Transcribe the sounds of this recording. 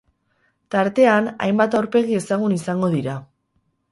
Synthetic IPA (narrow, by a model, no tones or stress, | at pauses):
t̪aɾt̪e̞ana̰jmbat̪awɾpe̞ɣ̞ie̞saɣ̞unisaŋɡo̞ðiɾa